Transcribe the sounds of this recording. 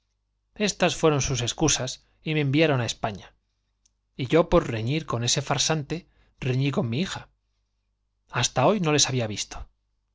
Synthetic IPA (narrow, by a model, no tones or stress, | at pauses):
e̞st̪asfwe̞ɾo̞nsuse̞skusas | ime̞ːmbjaɾo̞nae̞spaɲa | iʝo̞po̞ɾre̞ɲiɾko̞ne̞se̞faɾsant̪e̞ | re̞ɲiko̞mmːiixa | ast̪ao̞jno̞le̞saβiaβist̪o̞̥